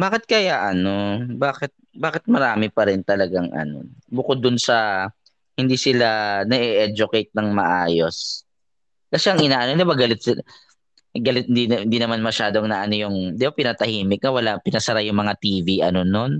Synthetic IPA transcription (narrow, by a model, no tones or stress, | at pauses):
baːkɪt̪̚kɐjaʔɐno̞baːkɛt̪̚baːkɪt̪̚mɐɾaːmɪpɐɾɪnt̪ɐlɐɡaŋʔɐ̰no̰bʊkod̪ːʊnsɐ | hɪnd̪iːsɪlanɐʔɛʔɛd͡ʒʊkɛjt̪̚nɐŋmɐʔaːjo̞s | kɐsɛɐŋɪnaːʔɐnod̪ɪbaɡɐlɪt̪̚sɪ | ɡɐlɪt̪̚hɪnd̪iɪnd̪inɐmanmɐʃaːd̪oɐŋnɐʔɐno̞jʊŋd̪ɪbapɪnɐt̪ɐhiːmɪk̚nɐwɐlapɪnɐsɐɾajʊŋmɐŋat̪iːviʔɐ̰no̞non